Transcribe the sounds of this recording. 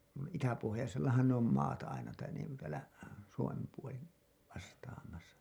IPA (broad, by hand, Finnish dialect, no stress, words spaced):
nuin itæpohojɑselːɑhɑn ne om mɑːt ɑinɑ tɑin niːŋku tæːlæ suomem puoli ʋɑstɑːmɑsɑ